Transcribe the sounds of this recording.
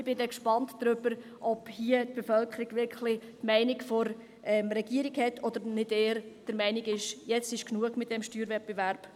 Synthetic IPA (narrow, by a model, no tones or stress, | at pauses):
ɪb̥ɪdɛkʃpɑntdɾʏbəɾ | ʔɔphiət̪̚b̥efœlkʰəɾiɡʋɪɾkχʰlɪtmɛɪnɪɡfɔɾ | ɛmɾɛɡ̥iəɾiɡhɛtʰːɔd̥̪əɾnɪd̥eːəɾd̥əɾmɛɪniɡɪʃjɛt͡sɪʃknuəɡmɪt̚d̥ɛmʃtyːɾʋɛt̚b̥evæɾb̥